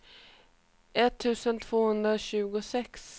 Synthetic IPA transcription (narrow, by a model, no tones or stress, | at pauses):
ʔɛt̪ʰːʉ̟ːsənt̪ʰv̥oːhɵnd̪ɾaɕʉ̟ːɡʊsɛks